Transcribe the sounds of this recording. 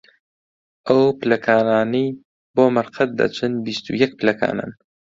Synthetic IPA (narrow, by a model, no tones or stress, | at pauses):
ʔɐwpɨlɐkʰaːnaːnij | boːmɐɾqʰɐt̪̚d̪ɐ̰t͡ʃʰɨnbist̪ṵjɛk̚pʰlɐkʰa̰ːna̰n